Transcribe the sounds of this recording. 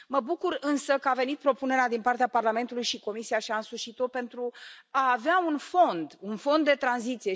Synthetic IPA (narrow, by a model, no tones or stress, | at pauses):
məbukurɨnsəkəave̞nit̪̚pɾo̞pune̞ɾead̪inpart̪eaparlame̞nt̪ulujʃiko̞misiaʃiansuʃit̪ope̞nt̪ɾuaːveaunfo̞nd̪unfo̞nd̪ːe̞t̪ɾanzit̪sije